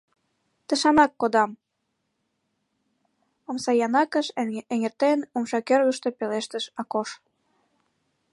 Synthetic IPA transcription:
t̪ə̆ʃɑnɑkːod̪ɑm | omsɑjɑnɑkə̆ʃeŋert̪enumʃɑkørɣə̆ʃt̪ø̽peleʃt̪ə̆ʃɑkoʃ

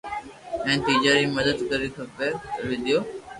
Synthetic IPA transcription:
ɛ̃ːt̪iːd͡ʒaːɾiməd̪əd̪kəɾikʰəpeɾʋɪd̪ʱijoː

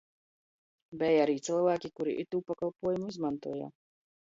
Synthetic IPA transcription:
bɛjaɾiːt̪silˠvæːkʲikuɾḭʔit̪uːpakalˠpuɔjumuizmant̪uɔja̰ː

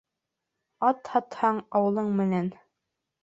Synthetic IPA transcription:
ɑt̪hɑt̪hɑɴɑwɤ̆lˠɤɴmɘ̆næn

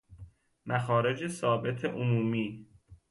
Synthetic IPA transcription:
mæxɒːɾe̞d͡ʒesɒːbe̞t̪ʰeʔomuːmiː

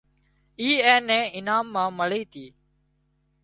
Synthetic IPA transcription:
iːɛːnɛ̃ːɪnaːmːãːməɭiːt̪ʰiː

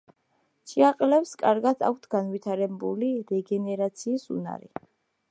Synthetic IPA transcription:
t͡ʃʰʼiaqʼlɛpskʼaɾɡad̪ʰa̰k̚ʰt̪ʰɡ̥anvit̪ʰaɾɛbuliɾɛɡɛnɛɾat̪sʰiːsṵna̰ɾḭ

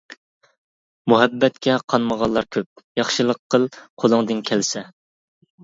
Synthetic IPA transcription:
muɦɛbːɛt̪kʲʰɛqʰɑnməʁɑnlˠːɑɾkʲʰøp̚jɑχʃɨlˠəqʰːəlˠqʰolˠɨŋd̪ɨnkʲʰælsɛ

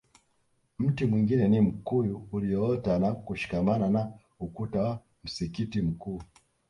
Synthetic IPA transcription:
m̩timwiŋɡinɛnim̩kujuːlijɔɔtanakuʃi̥kamanana | ukutawa | m̩sikitim̩kuː

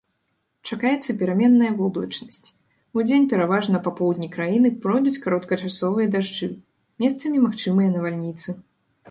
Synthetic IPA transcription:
t͡ʂakajɛt̪sːɐpʲɛɾamʲɛnːɐjɐvɔblˠɐt͡ʂnɐsʲt͡sʲ | ud͡zʲenʲpʲɛɾavaʐnɐpapɔwd̪ʲnʲikɾajinɨpɾɔjd̪ut͡sʲkaɾɔt̪kɐt͡ʂasɔvɨjɐd̪aʐd͡ʐɨ | mʲɛst̪sɐmʲimaxt͡ʂɨmɨjɐnɐvalʲnʲit̪sɨ

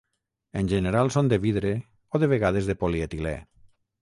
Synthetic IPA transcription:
enʲʒeneɾalˠsond̪eβiðɾe | oðeβ̞eɣaðezðepoliet̪ilɛ̰

